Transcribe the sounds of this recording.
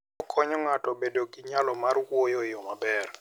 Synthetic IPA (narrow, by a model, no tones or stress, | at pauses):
ɔkʰɔɲɔŋatɔbedoɡiɲalɔmarwojɔjɔmabɛr